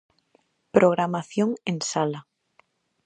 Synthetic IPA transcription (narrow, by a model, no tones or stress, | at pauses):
pɾʔoɣ̞ɾamaθjoŋensala